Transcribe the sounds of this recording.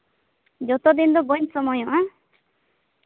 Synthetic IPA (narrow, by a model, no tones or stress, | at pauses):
d͡ʒɔt̪ɔd̪ind̪ɔbɔnsɔmɔjɔʔa